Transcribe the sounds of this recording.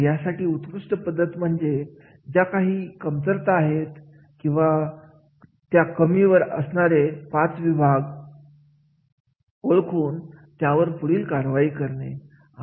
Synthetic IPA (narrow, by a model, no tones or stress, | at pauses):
jasaʈiːut̪kɾuʂʈəpəd̪ʱːət̪m̤əɳd͡ze | d͡ʑakaɦiːkəmt͡s̪əɾt̪aɦet̪ | kĩw̃ʋa | t̪jakəmiʋəɾə̰sɳaɾepat͡sʋibʱaɡ | oɭkʰuːnt̪jaʋəɾpuɽ̤iːlkaɾʋaiːkəɾɳe | a